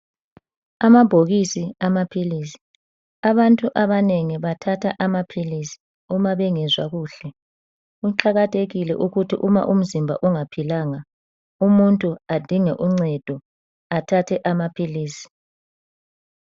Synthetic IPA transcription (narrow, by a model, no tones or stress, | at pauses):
amab̥ʱoɣisiamapʰiliːsi̥ | aβantʼuʔaβaneŋiβatʰatʰaʔamapʰilisi̥ | umaβɛŋɛzwaɣuːɬɛ | ɣuǃaɣatʰʼeɣilɛ̰ʔuɣutʰḭʔuma̰ʔum̩zimbʱa̰ʔuŋapʰilaːŋa | umuntʼuad̥ʱiŋɛʔuŋ͡ǀɛd̥ʱɔ | atʰatʰɛʔamapʰiliːsi̥